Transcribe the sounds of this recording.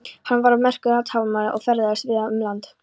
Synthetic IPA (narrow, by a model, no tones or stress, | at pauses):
hanːvaɾamɛr̥kʏðat̪ʰaːwvmaɾaʔɔ̰ɣfɛɾððasvɪðaʏmlant̪